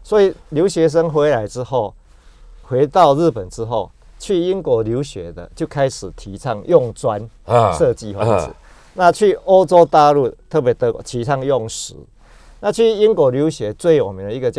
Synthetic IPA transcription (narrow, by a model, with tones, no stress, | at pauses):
swɔ˧˦˥i˨˩lju˨˦ʊɕɥɛ˨˧˦ʂ̬ə˦ŋxwe˦˥la˧˦ɪʈ͡ʂɻ̩˦xo˥˩ʊ | xwe˧˦ɪt̪a˥˧ʊɻ̩˥˩pə˨˩nt͡sɻ̩˦xo˥˩ʊ | t͡ɕʰy˥˩i˦˥nkwɔ˧˩lju˨˦ʊɕɥɛ̰˨˦d̪ə̰˨t͡ɕjo˥˩ʊkʰa˦˥ɪʂɻ̩˨˩t̪ʰi˨˦t͡sʰa˥˧ŋjɔ˥˧˨ŋt͡swa˦n | ʂɤ˥˧t͡ɕi˥˧hwa˥˧˩t͡s̩˨˩˦ | nã˥˧t͡ɕʰy˥˩o˦ʊt͡so˥ʊt̪a˥˧lu˥˧˨t̪ʰə˥˩pje˧˦t̪ə˧˨˧t̪ʰi˨˧˦t͡sʰa˥˧ŋjɔ˥˨˩ŋʂɻ̩˧˦ | na˥˧t͡ɕʰy˥˩i˦nkwɔ˧˩lju˨˦ɕɥɛ˨˧˦t͡swe˥˩ɪjɔ˨˩mi˨˦ŋd̪ə˧i˧ɡə˨˧t͡ɕ